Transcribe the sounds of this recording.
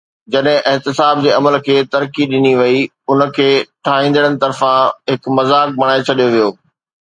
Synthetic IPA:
d͡ʑɐɗɦɪ̃ʔɪɦt̪ɪsaːb̚d͡ʑeːɐməlkʰeːt̪ɐɾkiɗɪniʋɐi | ʊnəkʰeːʈʰaːɦĩːnd̪əɽ̃ənɪ̆t̪ɐɾfãɦɪkmɐzaːk̚bɐɽ̃aːet͡ɕʰɐɗijoʋijoː

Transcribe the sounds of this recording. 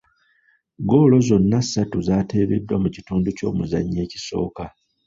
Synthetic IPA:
ɡo̞ːlo̞zo̞nːasatuzaːte̞ːβe̞̰dːwamucituːnduco̞̰ːmuza̰ɲːe̞ːci̥so̞̰ːka

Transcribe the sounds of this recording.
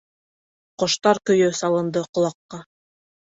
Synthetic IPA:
qŏʃt̪ɑɾkɵ̆jɵsɑlˠɤ̆nd̪ɤqŏlˠɑqːɑ

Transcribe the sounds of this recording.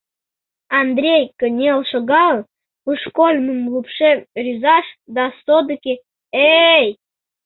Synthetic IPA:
ɑnd̪ɾʲejkə̆nʲelˠʃoɡɑlˠ | puʂkolʲməmlˠupʃerʲizɑʃd̪ɑsod̪əkʲe | ej

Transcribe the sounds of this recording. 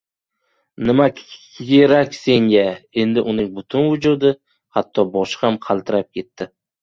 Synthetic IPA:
nɪma | kʲeɾakʲse̞ŋɡʲae̞nd̪ɪʔʊnɪŋbʊt̪ʰʊnvʊd͡ʒud̪ɪ | hat̪ʰːɒbɒʃhamqʰɑlˠt̪ʰɪɾap̚kʲʰe̞t̪ʰːɪ

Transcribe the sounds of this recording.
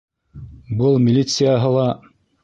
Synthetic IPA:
bɤlˠmʲɪlʲit̪sɨjaɦɤlˠɑ

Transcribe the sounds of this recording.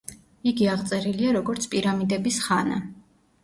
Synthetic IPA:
iɡiaʁt̪sʼɛɾiliaɾɔɡɔɾt̪sʰpʼiɾamid̪ɛbisχana̰

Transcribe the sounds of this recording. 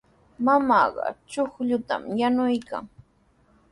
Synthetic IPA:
mamɑːɢɑ̰t͡ʃoχʎʊt̪a̰mjanʊjka̰ŋ

